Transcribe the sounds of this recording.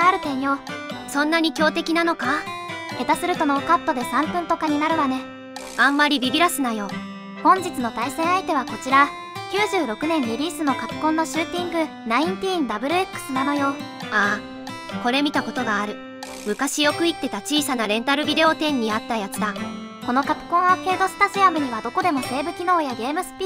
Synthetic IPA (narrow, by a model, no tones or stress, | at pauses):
aɾɯ̟t̪ẽ̞ɲ̃jo̞sõ̞nːaɲ̟ikʲo̞ːt̪e̞kʲinano̞kae̞t̪asɨɾɯ̟t̪o̞no̞ːkat̪ːo̞d̪e̞sãmpɯ̟̃nt̪o̞kaɲ̟inaɾɯ̟βane̞ | ãmːaɾʲibʲibʲiɾasɨnajo̞ | hõ̞ɲ̟d͡ʑit͡sɨno̞t̪aisẽ̞ɰ̃ait̪e̞β̞akot͡ɕiɾa | kʲɨːʑɨːɾo̞kɯ̟nẽ̞ɲːiɾʲiːsɨno̞kakkːõ̞nːo̞ɕɨːt̪ʲĩŋɡɯ̟ | naĩnt̪ʲiːnd̪abɯ̟ɾɯ̟e̞kːɯ̥sɨnano̞jo̞ | aː | ko̞ɾe̞mʲit̪ako̞t̪o̞ɡaːɾɯ̟ | mɯ̟kaɕijo̞kɯ̟it̪ːe̞t̪at͡ɕiːsanaɾẽ̞nt̪aɾɯ̟bʲid̪e̞o̞t̪ẽ̞ɲ̟ːiat̪ːajat͡sɨd̪a | ko̞no̞kakɯ̥kõɰ̃oke̞ːd̪o̞si̥t̪asɨjamɯ̟ɲ̟iβad̪o̞ko̞d̪e̞mo̞se̞ːbɯ̟kʲino̞ːjaɡe̞ːmɯ̟sɨ̥pʲi